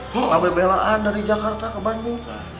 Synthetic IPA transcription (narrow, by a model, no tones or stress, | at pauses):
labəbelaʔandaɾid͡ʒakart̪akəbanduŋ